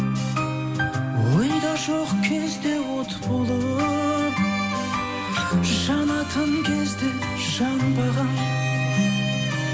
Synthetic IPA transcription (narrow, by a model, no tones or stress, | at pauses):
wəjd̪ɑʒoqkʲʰe̞zd̪e̞wot̪ʰə̥polˠd̪ə | ʒəʃɑnɑt̪ʰənkʲʰezd̪e | ʒəʃɑbɑjʁɑn